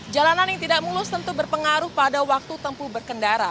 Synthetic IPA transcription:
d͡ʒalananjaŋt̪idaʔmulʊst̪ənt̪ubərpəŋaɾʊhpadawak̚t̪ut̪əmpubərkəndaɾa

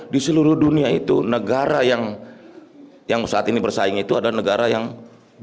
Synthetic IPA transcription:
disəluɾʊhduniait̪ṵnəɡaɾajaŋ | jaŋsaʔat̪inibərsaɪŋit̪uadalanəɡaɾajaŋ

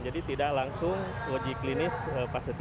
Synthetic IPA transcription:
d͡ʒadit̪idaklaŋsʊŋ | loɡiklinɪsəpasit̪

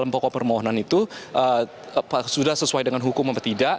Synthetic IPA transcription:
lampɔkɔpərmoɦonanit̪uʔə | psudahsəsuajdəŋanɦukʊmapət̪ida

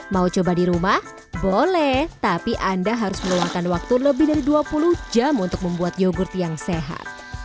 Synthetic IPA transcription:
maut͡ʃobadiɾumah | bolɛht̪apiʔandaɦaɾʊsməluŋakanwak̚t̪uləbɪhdaɾiduapuluhd͡ʒamunt̪ʊk̚məmbuat̪̚joɡʊrt̪jaŋseɦa̰t̪̚

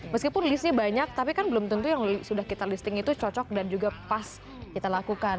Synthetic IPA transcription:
məskipʊnlisɲabaɲak̚t̪apikanbəlʊmt̪unt̪ujaŋsudahkit̪alist̪ɪŋit̪ut͡ʃɔt͡ʃɔk̚dand͡ʒuɡapas | kit̪alakukan

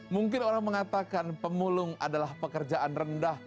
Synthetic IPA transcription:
muŋkɪnoɾaŋməŋat̪akanpəmulʊŋa̰dalahpəkərd͡ʒaʔanrəndah

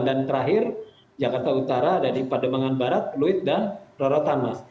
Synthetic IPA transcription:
dant̪əɾaɦɪr | d͡ʒakart̪aut̪aɾaːdadipadomaŋanbaɾat̪̚luɪt̪̚danroɾɔt̪ama

